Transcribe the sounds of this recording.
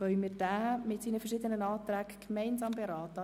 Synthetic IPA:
ʋœʏmɪːd̥æːmɪtsiːnəfəɾʃɪd̪ənənɑːt̪ɾæːɡkmɛɪnzɑːmbeɾɑːt̪ə

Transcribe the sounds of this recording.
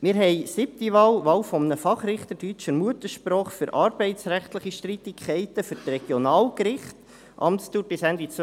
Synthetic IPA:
mɪːɾɦɛɪsɪp̚t̪iʋɑːlʋɑwfɔmnəfɑχɾɪχt̪əɾdyt͡ʃəɾmuət̪əʃpɾoːχfyɾʔɑːɾbɛɪt̪sɾæχt̪ləχiʃtɾit̪ikʰχɛɪt̪əfyɾtrɛɡ̥jɔnɑːlkɾɪχt | ʔɑ̰mtst̪uːɾbɪsænd̪it͡s

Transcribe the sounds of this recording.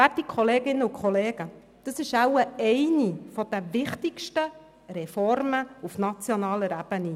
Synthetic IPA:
ætikʰχoleːɡɪnːəukχɔleːɡ̥ə | d̪̥əsɪʃæwəɛɪnifɔd̥̪ɛvɪχtɪkʃtə | ɾɛfɔɾməufnɑt͡sjonɑːləɾæb̥əni

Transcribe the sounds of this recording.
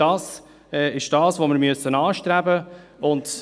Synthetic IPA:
ɑːs | ɛɪʃd̥ɑːsʋoːmɪɾmyøsənɑːʃtɾæbəʊnd

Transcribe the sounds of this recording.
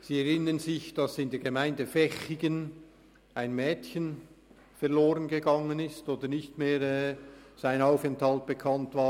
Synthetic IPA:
z̥iːɛʁɪnənzɪçd̥ɑsɪndeːɐɡemaɪndəfɛçɪɡən | aɪnmɛːtçən | fɛʁloːʁənɡəɡɑŋənɪstoːdənɪçtmeːɾɛːz̥aɪnaʊfɛnthɑlt̚b̥ekʰɑntv̥aː

